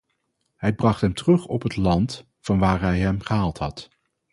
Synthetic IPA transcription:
ɦɛjbrɑχtɦɛmtərɵχɔpɦətlɑnt | fɑnʋaːɹɦɛjɦɛmχəɦaːlˠtɦɑt

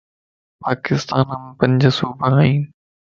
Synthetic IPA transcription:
paːkɪst̪aːnəm̃ːpɐ̃ɲd͡ʑəsuːbʱəɦaːĩːn

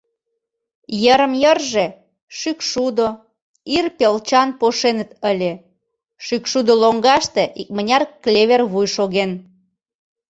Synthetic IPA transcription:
jəɾəmjərʒe | ʃykʃud̪o | irpelt͡ɕɑnpoʃenə̆t̪əlʲe | ʃykʃud̪oloŋɡɑʃt̪eʔik̚mənʲɑrklʲeβerβujʃoɣen

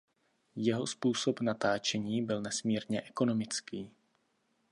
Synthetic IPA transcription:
jɛɦo̞spuːso̞pnat̪aːt͡ʃɛɲiːbɪlnɛsmiːɾɲɛʔɛko̞no̞mɪt͡skiː

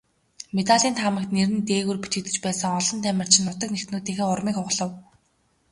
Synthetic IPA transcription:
met̪aɮiːnt̪χamə̆k̚t̪neɾɘ̆nt̪eːɣŭrput̪ɡɘ̆kt̪ɘ̆t͡ɕpæːsə̆ŋɔɮɞ̆nt̪ʰæmʲɪ̆r̥t͡ɕʰɪ̆nʊt̪ɞ̆knext̪nuːt̪iːxeːʊrmiːkʊʁɮə̆w

